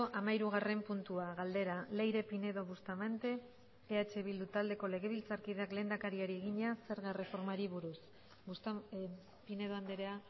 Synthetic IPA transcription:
oʔamaiɾuɣ̞are̞mpunt̪uaɣald̪e̞ɾale̞jɾe̞pine̞ðo̞βust̪amant̪e̞ | eat͡ʃe̞βild̪ut̪ald̪e̞ko̞le̞ɣe̞β̞ilt͡saɾkiðeakle̞nd̪akaɾiaɾieɣiɲase̞ɾɣare̞fo̞ɾmaɾiβuɾus | ust̪ | pine̞ð̞oand̪eɾea

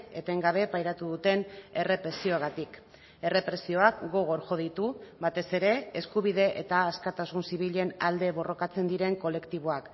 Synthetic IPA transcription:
e̞t̪e̞ŋɡaβ̞e̞pajɾat̪uðut̪e̞ne̞re̞pɾe̞sio̞aɣat̪ik | e̞re̞pɾe̞sio̞akɡo̞ɣ̞o̞ɾxo̞ð̞it̪uβat̪e̞se̞ɾe̞eskuβ̞iðe̞ʔḛt̪aːskat̪asunsiβ̞iʎe̞nald̪e̞βo̞ro̞kat͡se̞nd̪iɾe̞ŋko̞le̞kt̪iβ̞o̞ak

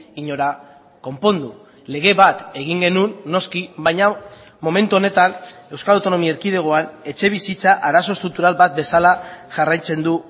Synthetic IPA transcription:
iɲo̞ɾa | ko̞mpo̞nd̪u | le̞ɣ̞e̞βat̪e̞ɣ̞iŋɡe̞nunːo̞skiβajɲa | mo̞me̞nt̪uo̞ne̞t̪ane̞wskalawt̪ono̞miaeɾkið̞e̞ɣ̞o̞ane̞t͡ʃe̞β̞isit͡saʔaɾaso̞st̪ɾult̪uɾalβat̪̚be̞salaʝarajt͡se̞nd̪u

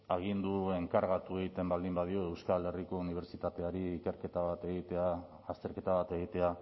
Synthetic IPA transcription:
aɣind̪ue̞ŋkaɾɣat̪ue̞ɣit̪e̞mbald̪imbað̞ioe̞wskale̞riko̞uniβ̞e̞ɾt͡ʃit̪at̪e̞aɾiːke̞ɾke̞t̪aβat̪e̞ɣit̪eaː | st̪e̞ɾke̞t̪aβ̞at̪e̞ɣ̞it̪e̞a

